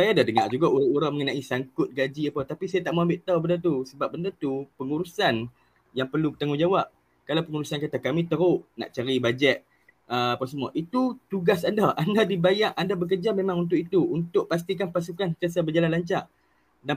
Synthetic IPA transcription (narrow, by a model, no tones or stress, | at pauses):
sajadadəŋa̰ʔd͡ʒuɡauɾauɾaŋməŋənaʔisaŋkʊt̪̚ɡad͡ʒiapat̪apisajat̪aʔmaambɪʔt̪awbəndət̪usəbap̚bəndət̪upəŋuɾusan | jaŋpərlubət̪aŋud͡ʒawap̚ | kalawpəŋuɾusankat̪akamĩt̪əɾʊʔna̰ʔt͡ʃaɾibad͡ʒɛt̪̚ | əapəs̬əmuaʔit̪ut̪uɡasandaandadibajaʔandabək̬ərd͡ʒamemãŋunt̪̬ʊkit̪uunt̪ʊʔ̚pas̬t̪ik̬anpas̬ukant̪as̬abəd͡ʒalanlaɲt͡ʃaʔ | da